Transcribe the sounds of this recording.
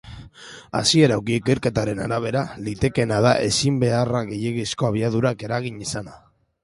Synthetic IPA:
a̰sie̞ɾawkiːkeɾke̞t̪aɾe̞na̰ɾaβ̞e̞ɾalit̪e̞ke̞naðaʔe̞simbe̞araɣe̞je̞ɣisko̞aβ̞iað̞uɾake̞ɾaɣiɲisana

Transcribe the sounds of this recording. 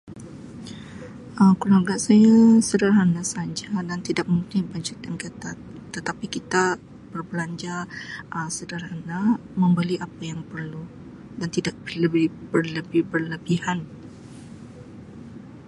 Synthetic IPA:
ʔəmkəluarɡasajasədaɾɦanasad͡ʒadant̪idak̚muŋkɪnbaɲd͡ʒat̪̚jaŋkət̪at̪ːət̪apikit̪a | b̥ərblaɲd͡ʒaʔəsədaɾaana | mə̃mbəliʔapajaŋpərlu | dant̪idak̚bləbɪhbərləbɪhbərləbihan

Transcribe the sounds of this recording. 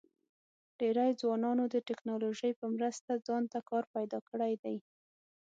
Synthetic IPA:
ɖ̥eɾajd͡zwɑnɑnod̪əʈɪknɑloʒəjpəmɾəst̪ad͡zɑnt̪akɑɾpajd̪ɑkəɽajd̪aj

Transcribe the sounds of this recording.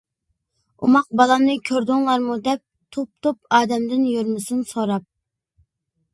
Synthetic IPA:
ṵmɑq̚bɑlˠɑmnɨkʲʰøɾd̪ʊŋlˠɑɾmud̪ɛp̚ | t̪ʰop̚t̪ʰop̚ɑːd̪ɛmd̪ɪnjyɾmɪsɨnsoɾɑp̚

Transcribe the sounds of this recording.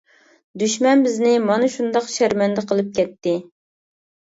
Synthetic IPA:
d̪yʃmɛnbɪznɪmɑnɨʃund̪ɑqʃæɾmɛnd̪ɨqʰəlˠɨp̚kʲɛt̪ːɪ

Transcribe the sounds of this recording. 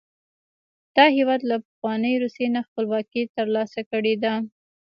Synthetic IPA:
d̪̥ɑhewɑd̪lapaxwɑnəjɾusenaxpəlwɑkit̪əɾlɑsakəɽed̪a

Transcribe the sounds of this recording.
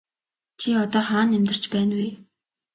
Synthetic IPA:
t͡ɕʰiɔt̪ɔːχaːnːemt̪ə̆r̥t͡ɕpæːnwi

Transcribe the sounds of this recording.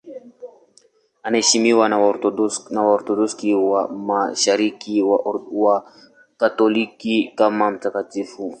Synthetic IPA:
anahɛʃimiwanaɾɔnawaɔɾtɔdɔskiwamaʃaɾikiwawa | katɔlikikamam̩takatifu

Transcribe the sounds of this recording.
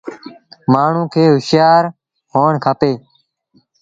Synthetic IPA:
maːɳ̤ũːkʰeːɦʊʃjaːɾ | ɦoːɳkʰaːpeː

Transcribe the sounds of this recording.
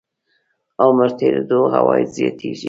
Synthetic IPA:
awməɾt̪ʰeɾed̪oɦawɑjzjɑt̪ʰiʒi

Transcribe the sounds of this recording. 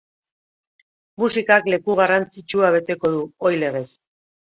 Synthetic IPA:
musikakle̞kuɣ̞arant͡sit͡ʃuaβe̞t̪e̞ko̞ðuojle̞ɣ̞e̞s

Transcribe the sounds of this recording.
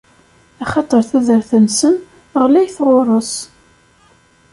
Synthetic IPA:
æχɑt̪ˤəɾˤθæðəɾθənsən | ʁlæjθʁoɾˤos

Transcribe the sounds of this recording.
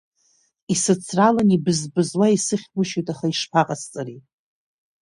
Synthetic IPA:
isɨt͡sʰralanibɨzbɨzwaisɨχʲbʊʃujtʼaχaiʂpʰaqʼast͡sʼari

